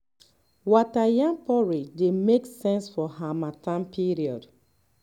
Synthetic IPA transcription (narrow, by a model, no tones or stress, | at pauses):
watajãnpɔɹidemeksɛ̃nsfɔhamatãmpʰiɹiɔd